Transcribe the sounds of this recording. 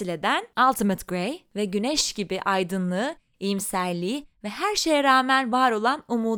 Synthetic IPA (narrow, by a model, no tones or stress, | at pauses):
ilʲe̞d̪ænalˠt̪ʰimət̪ɡɾejvɛɟynɛʃɟibiʔajd̪ɯnlˠɯː | ijimsæɾlʲiːvɛɦæɾʃe̞jɛɾaːmænvaːɾo̞lˠanumuː